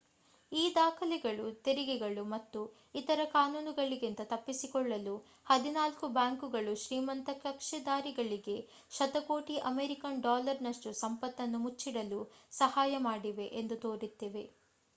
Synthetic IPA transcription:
iːd̪aːkʰɐlɛɡɐɭut̪eɾiɡɛɡɐɭumɐt̪ːu | it̪ɐɾɐkaːnuːnuɡɐɭiɡint̪ɐt̪ɐpːisikɔɭːɐlu | hɐd̪inaːlkubaːŋkuɡɐɭuʃɾiːmɐnt̪ɐkɐkʂɛd̪aːɾiɡɐɭiɡe̞ | ʃɐt̪ɐko̞ːʈiʔɐmeɾikɐnɖaːlɐɾnɐʂʈusɐmpɐt̪ːɐnːumut͡ʃːiɽɐlusɐhaːjɐmaːɽiʋe̞ʔend̪ut̪o̞ːɾit̪ːeʋe̞

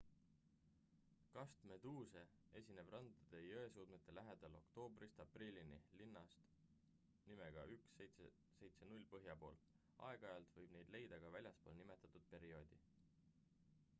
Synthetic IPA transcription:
kɑst̪me̞d̪uːse̞ | e̞sʲine̞b̥rɑnd̪ɑd̪̥e̞jøe̞suːd̪̥met̪ːˑe̞læɦe̞d̪̥ɑlo̞̰kt̪o̞ːbrist̪ɑprilʲinilinːɑst̪ | nime̞ɡ̥ɑʔykset̪se | se̞jt̪se̞nulʲpɤɦjɑpo̞ːl | ɑ̰e̞ɡ̥ɑɑjɑlt̪vɤjb̥ne̞jd̪̥le̞jd̪̥ɑɡ̥ɑvælʲjɑspo̞̰ːlnime̞t̪ːˑɑt̪ːˑud̪̥̚pe̞ɾio̞ːd̪̥ʲi

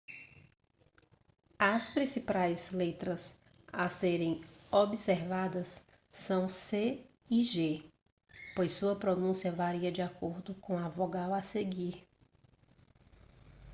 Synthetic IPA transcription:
ɐspɾĩsipajzlet̪ɾɐs | aseɾẽj̃obiseɾvad̪ɐsː | ɐ̃w̃se | iʒe | pojsːuɐpɾonũsiɐvaɾiɐd͡ʒiakoɾd̪ʊkõavoɡawaseɡiɾ

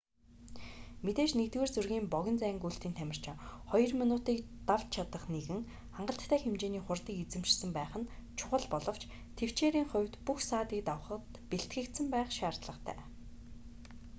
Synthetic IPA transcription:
met̪eːʃnet̪weːrt͡sɵrɣiːmpɔɣʲɞ̆nt͡sæːɪ̆ŋkuɬt̪iːnt̪ʰæmʲɪ̆r̥t͡ɕʰɪ̆χɔjɞ̆rminʊːt̪iːk | t̪aw̥t̪t͡ɕʰat̪ə̆χneɣɘ̆ŋ | χaɴɢə̆ɬt̪ːʰæːxemt͡ɕeːniːχʊrt̪ĭːkit͡sɘ̆mʃsə̆mpæːχə̆nt͡ɕʰʊ̥χə̆ɮpɔɮɞ̆w̥t͡ɕ | t̪ʰew̥t͡ɕeːɾiːŋχʊ̟wʲt̪puxsaːt̪iːk̚t̪awə̆χə̆t̪peɬt̪ɡɘ̆kt̪sɘ̆mpæːχʃaːr̥t̪ɮə̆qt̪ʰæ̰ː

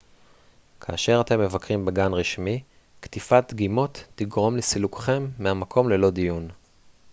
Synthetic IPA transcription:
kʰaːʃe̞ʁat̪e̞mːe̞vakʁimbeɡanʁiʃmi | kt̪ifat̪̚ɡimo̞t̪ːiɡʁo̞mlesilukχe̞mːeamakʰo̞mle̞lo̞d̪ijun

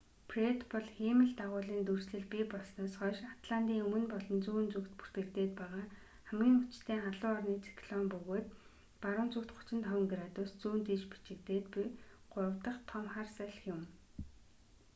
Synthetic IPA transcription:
pʰret̪pɔɮxemɘ̆ɮt̪aʁʊːɮiːnt̪ursɮɘ̆ɮpipɔɮsnɔːsχœːʃat̪ɮan̥t̪iːŋɵmɵ̆npɔɮɞ̆nt͡suːnt͡sukt̪pu̥r̥t̪ɡɘ̆kt̪eːt̪pæːʁaː | χæmɡʲiːŋʊt͡ɕt̪ʰeːŋaɮʊːɔrniːt͡sʰi̥kɮɔmpɵɣoːt̪ | paɾʊ̆ːnt͡sukt̪χʊ̥t͡ɕɪ̆nt̪χœw̆ʲŋɡɾat̪ust͡suːnt̪iːt͡ɕpi̥t͡ɕɪ̆k̚t̪eːt̪piɢ̥ʊɾə̆wt̪ə̆χt̪ʰɔmχaːrsæːɮ̆xjʊm

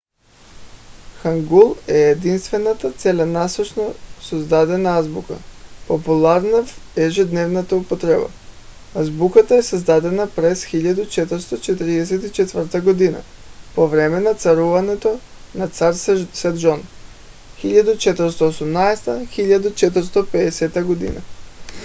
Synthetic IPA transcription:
xaŋɡulˠɛed̪inst̪vɛnat̪at̪sɛlʲanasɔt͡ʃnasozd̪ad̪ɛnaazbuka̰populˠaɾnaɛʒɛd̪nɛvnat̪aupot̪ɾɛba̰ | azbukat̪aɛsazd̪ad̪ɛnapɾɛsxiʎad̪ut͡ʃɛt̪əɾst̪ot͡ʃɛt̪ɾiɛs̬ɛt̪it͡ʃɛt̪vərt̪aɡod̪ina̰povɾɛmɛnat̪saɾuvanɛt̪o | nat̪saɾssɛd̪ʒon | xiʎad̪ut͡ʃɛt̪əɾst̪oosumnaɛst̪axiʎad̪ut͡ʃɛt̪əɾ̩st̪opɛɛsɛt̪aɡod̪ḭna̰

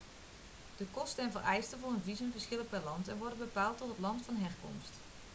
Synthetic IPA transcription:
d̥əkɔstəɛnvərɛjstəvʊːrənvizənvəɹsxɪləp̚bɛlɑntɛnʋɔɹdənbəpaːlˠtɔtɦətlɑntfɑnɦɛrkɔ̰mst

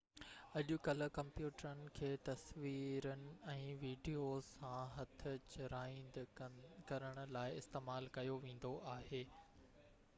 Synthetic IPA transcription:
ɐʄʊkɐlə̆kɐ̃mpjuːʈəɾənɪ̆kʰeːt̪ɐsʋiːɾənɪ̆ɛ̃ːʋiːɖijoːãɦɐt̪ʰʊt͡ɕʊɾaːɪ̃nd̪kɐɾəɽ̃ʊ̆laːɪɪst̪eːmaːlkɐjoʋẽːn̆d̪oʔaːɦeː

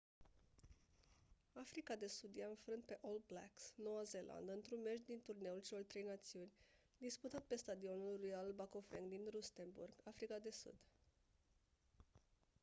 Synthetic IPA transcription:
afɾikad̪e̞sud̪jaɨnfɾɨnt̪̚pe̞ʔold̪̚bla̰ksno̞waze̞lʔa̰nd̪ɨnt̪ɾunmeʃd̪int̪urne̞ult͡ʃelo̞rʲt̪ɾe̞jnat̪siunʲ | d̪isput̪at̪̚pe̞st̪ad̪io̞nuulːujalbakofeŋɡd̪inɾust̪e̞nbṵrɡafɾikad̪e̞sṵd̪

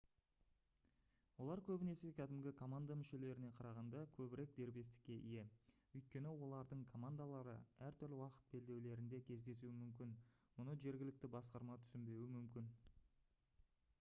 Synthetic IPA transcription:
wo̞lˠɑɾkʲʰɵbɪne̞se̞kʲʰæd̪ɪmɡʲɪkʰo̞mand̪amʏʃe̞le̞ɾɪne̞qʰɑɾɑʁɑnd̪ɑkʲʰɵbɪɾe̞k̚d̪e̞ɾbe̞st̪ɪ̥kʲːe̞ʔije̞ | ɵjt̪̚kʲe̞nɪwo̞lˠɑɾd̪əɴkʰo̞mand̪alˠɑɾə̰æɾt̪ʰʏɾlʲɪwɑqə̥t̪̚be̞ld̪e̞wle̞ɾɪnd̪e̞kʲʰe̞zd̪e̞s̬uɪmʏmkʲɪnmʊnəʒe̞ɾɡʲɪlɪk̚t̪ɪbɑsqɑɾmɑt̪ʰʏ̥sɪmbe̞wɪmʏmkʲɪn

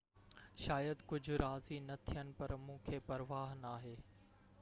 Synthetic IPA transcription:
ʃaːjəd̪kʊd͡ʑʱʊɾaːzinɐt̪ʰijənɪ̆pɐɾmũːkʰeːpɐɾʋaːɦnaːɦeː

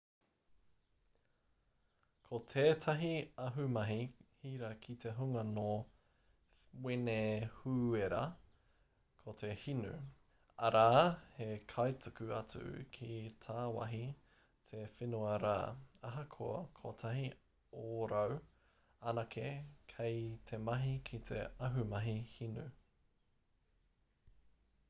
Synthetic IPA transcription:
kʰot̪ʰeːtʰɐɦiɐɦʉmɐɦihiːɾɐkʰite̞ɦuŋɐno | wenehuːeɾɐ̰ | kʰot̪ʰe̞hinʉ̰ | ɐɾaːhekʰɐjtʰukʉɐ̰t͡sʉ̰kʰitʰaːwɐ̰ɦi | tʰefinuɐɾa̰ːɐɦɐkʰo̰ɐ̰kʰotʰɐɦi | oɾɐw | ɐnɐkʰekʰejtʰemɐɦikʰitʰḛɐɦumɐɦihinʉ

